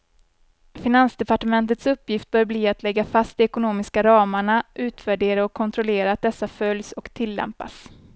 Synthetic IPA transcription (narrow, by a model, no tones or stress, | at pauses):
fɪnansd̪ɛpaʈəmɛnt̪̬ət̪sɵpːjɪft̪̚bœːɾbliːat̪lɛɡːafast̪ɪɛkʊnoːmɪskaɾɑːmaɳaʔʉ̟ːt̪væɖeːɾaɔkʰːɔnt̪ʰɾɔleːɾaːt̪̚d̪ɛsːafœljsɔkt̪ʰɪlːɛ̰mpa̰s